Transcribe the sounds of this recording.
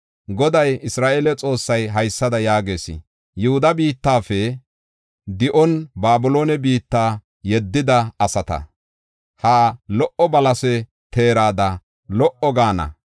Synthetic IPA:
ɡɔd̪ɐjɪsɾaːʔeːlɛt͡sʼo̞ːsːɐjɦɐjsːɐd̪ɐjaːɡe̞ːsɪ̰ | jʊhʊd̪ɐbiːt̪ːaːfɛ | d̪ɪʔɔnbaːbʊlo̞ːnɛbiːt̪ːaː | jɛd̪ːɪd̪ɐɐsɐt̪ɐ̰ | haːlɔʔɔbɐlɐsɛ | t̪ʰe̞ːɾaːd̪ɐ | lɔʔɔɡaːnɐ̰

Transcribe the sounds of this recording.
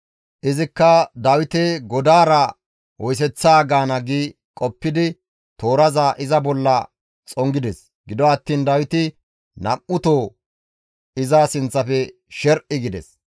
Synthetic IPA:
ʔɪzɪkːɐd̪ɐwɪt̪ɛɡɔd̪aːɾɐ | wɔjs̬ɛt͡sːaːɡaːnɐɡiː | kʼɔpːɪd̪ɪ | t̪oːɾɐzaːʔɪzɐbɔlːɐ | t͡sʼɔŋɡɪd̪ɛs | ɡɪd̪ɔɐt̪ːiːnd̪ɐwɪt̪ɪ | nɐʔːʊt̪oː | ɪzaːsɪnt͡sːɐfɛ | ʃɛɾʔɪɡɪd̪ɛ̰s

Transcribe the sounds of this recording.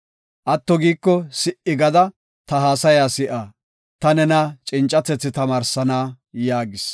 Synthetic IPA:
ʔɐt̪ːɔɡiːkːɔsɪʔɪɡɐd̪ɐ | t̪ɐɦaːsɐjaːsɪʔaː | t̪ɐnɛnɐt͡ʃʼɪnt͡ʃʼɐt̪ːɛt͡sːɪt̪ɐmaːɾsɐnaː | jaːɡɪs

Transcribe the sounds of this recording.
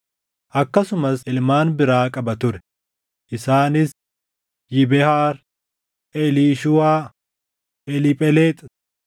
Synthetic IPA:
ʔɐkːɐsʊmɐsɪlmaːnbɪɾaːkʼɐbɐt̪ʊɾɛ̥ | ʔɪsaːnɪs | jɪbɛhaːɾ | ʔɛliːʃʊwaː | ʔɛlɪpʼɛleːt̪ʼ

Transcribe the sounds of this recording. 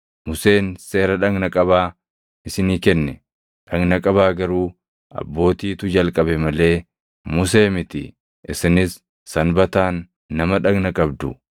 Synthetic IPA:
mʊse̞ːnse̞ːɾɐᶑɐŋɡnɐkʼɐβaː | ɪsɪniːkɛnːɛ | ᶑɐŋɡnɐkʼɐβaːɡɐɾuː | ɐ̰bːo̞ːt̪iːt̪ʊd͡ʒɐlkʼɐbɛmɐle̞ː | mʊs̬e̞ːmɪt̪ɪ̰ | ʔɪsɪnɪsː | ɐnbɐt̪aːnː | ɐmɐᶑɐɡnɐkʼɐbd̪ʊ

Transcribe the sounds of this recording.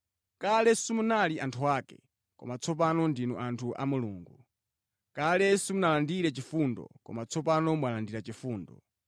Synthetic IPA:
kalɛsumunaliʔantʰuaːkɛ̰ | kɔ̰mat͡sʰɔp̬anɔndinɔ̰ʔantʰuʔa̰muluːŋɡu | kalɛsumunalandiɾɛt͡ʃifundɔ̰kɔ̰mat͡sʰɔpanɔmwalandiɾat͡ʃifuːndɔ̰

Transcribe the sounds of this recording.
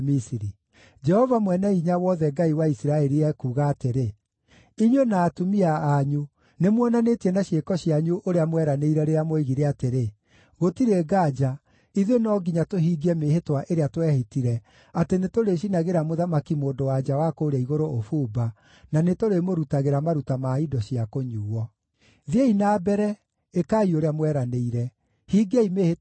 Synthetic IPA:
misiɾi | d͡ʒɛhɔvamwɛnɛiɲawɔðɛɡaiwaisiɾaɛɾiɛkuːɣaːteɾe | iɲwenaːtumiaːɲu | nemwɔnanetiɛnaɕiekɔɕiaɲuʔoɾeamwɛɾaneiɾɛɾeɾamoeɣiɾeateɾe | ɣotiɾeɡaːd͡ʒa | iðenɔɡiɲatoɦiːɡɛmehetwaʔeɾeatwɛhitiɾɛ | atenetoɾeɕinaɣeɾamoðamakimoːndowad͡ʒawakoɾɛiɣoɾoofuːba | nanetoɾemoɾutaɣeɾamaɾutamaːidɔɕiakoɲuːwɔ | ðieinaːbɛɾɛ | ekaːioɾeamwɛɾaneiɾɛ | hiɡeimeːhe

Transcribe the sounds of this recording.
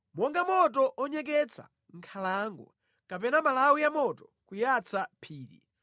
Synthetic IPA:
mɔŋɡamɔtɔʔɔɲɛk̬ɛt͡sʰa̰ | ŋ̩kʰalaːŋɡɔ̰ | kapɛnamalawujamɔtɔkujat͡sʰapʰiːɾḭ

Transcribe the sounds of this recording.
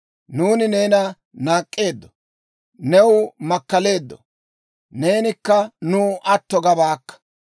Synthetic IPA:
nuːnɪneːnɐ | naːkʼːe̞ːd̪ːɔ̥ | nɛwʊmɐkːɐle̞ːd̪ːɔ̰ | ne̞ːnɪkːɐnuʔɐt̪ːɔɡɐbaːkːɐ̥

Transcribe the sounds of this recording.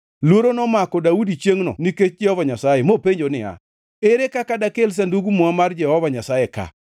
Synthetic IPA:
lwoɾonɔmakɔdaudit͡ʃjeŋnɔ̰niket͡ʃ̚d͡ʒɛhɔvaɲasajemopeɲd͡ʒonɪa̰ | eɾekakadakels̬anduɡumuamard͡ʒɛhɔvaɲasajɛka̰

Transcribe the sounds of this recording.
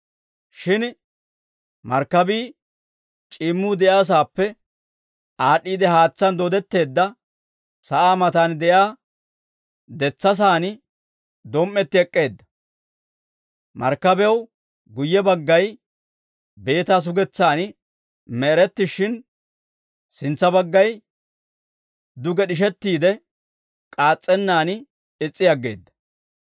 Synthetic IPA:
ʃɪn | mɐɾkːɐbiː | t͡ʃʼɪːmːuːd̪ɛʔjaːs̬aːpːɛ | ʔaːɗiːd̪ɛɦaːt͡sːɐnd̪ɔd̪ɛt̪ːe̞ːd̪ːɐ | sɐʔaːmɐt̪aːnd̪ɛjaː | d̪ɛt͡sːɐs̬aːnɪ | d̪ɔmʔːɛt̪ːɪɛkʼːe̞ːd̪ːɐ̥ | mɐ̰ɾkːɐbɛw | ɡʊjːɛbɐɡːɐj | be̞ːt̪aːs̬ʊɡɛt͡sːaːnɪ | mɛːɾɛt̪ːɪʃɪn | sɪnt͡sːɐbɐɡːɐj | d̪ʊɡɛɗɪʃ̬ɛt̪ːiːd̪ɛ | kʼaːt͡sʼːɛnːaːn | ɪt͡sʼːɪjɐɡːe̞ːd̪ːɐ̥

